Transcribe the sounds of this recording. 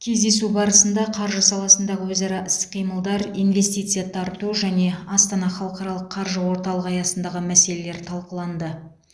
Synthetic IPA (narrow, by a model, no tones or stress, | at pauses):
kʲʰe̞zd̪e̞subɑɾəsənd̪ɑqʰɑɾʒəsɑlˠɑsənd̪ɑʁəwɵzɑɾɑʔɪst̪ɪ̥qʰːijməlˠd̪ɑɾijnve̞st̪ijt̪sɨjɑt̪ʰɑɾt̪uʒæne̞ɑst̪ɑnɑχɑlˠəqɑɾɑlˠəqʰːɑɾʒəwo̞ɾt̪ɑlˠəqɑjɑsənd̪ɑʁəmæse̞le̞le̞ɾt̪ʰɑlˠqəlˠɑnd̪ə